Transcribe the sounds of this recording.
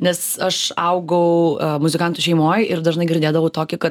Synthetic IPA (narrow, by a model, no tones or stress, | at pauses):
nʲɛsɐʃɐʊɡɐʊmʊzʲɪkɐnt̪ʊʃʲɛɪmoːjɪɾd̪ɐʒnɐɪɡʲɪɾʲd̪ʲeːd̪ɐʋɐʊt̪oːkʲɪkɐt̪